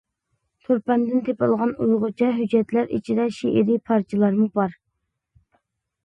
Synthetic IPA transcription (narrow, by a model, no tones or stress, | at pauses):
t̪ʰoɾpɛnd̪ɪnt̪ʰepɑlˠʁɑnujʁʊt͡ʃʰɛɦyd͡ʒːɛt̪læɾḭt͡ʃʰid̪ɛʃiʔɪɾipʰɑɾt͡ʃʰilˠɑɾmubɑɾ